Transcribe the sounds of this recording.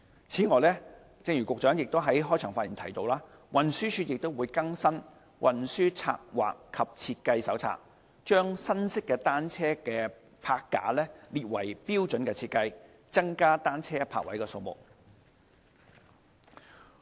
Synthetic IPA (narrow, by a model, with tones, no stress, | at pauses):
t͡sʰiː˨˥ŋɔː˨˩jlɛ˥ | t͡sɪ˧ŋɥy˨kʊ˨k̚t͡ʃœː˨˥ŋjɪ˨k̚t̪o˥wɦɐ˨˥jɦɔː˥jt͡ʃʰœː˨˩ŋfaː˧t̚i˨˩t̪ʰɐ˨˩jt̪o˧wlaː˥ | wɐ˨nsyː˥t͡ʃʰyː˧t̚jɪ˨k̚t̪o˥wuː˨˧jkɐ˥ŋsɐ˥n | wʔɐ˨nsyː˥t͡sʰa̰ː˧k̚wa̰ː˨kʰːɐ˨p̚t͡sʰiː˧t̚kɐ˧jsɐ˨˥wt͡sʰa̰ː˧k̚ | t͡ʃœː˥ŋsɐ˥nsɪ˥kːɛː˧t̪aː˥nt͡sʰɛː˥kɛː˧ | pʰaː˧kːa̰ː˨˥lɛː˥liː˨t̚wɐ̰˨˩jpiː˥wt͡sɵ˨˥nkɛː˧t͡sʰiː˧t̚kɐ˧j | t͡sɐ˥ŋkaː˥t̪aː˥nt͡sʰɛː˥pʰa̰ː˧k̚wɐ̰˨˥jkɛː˧so˧wmʊ̰˨k̚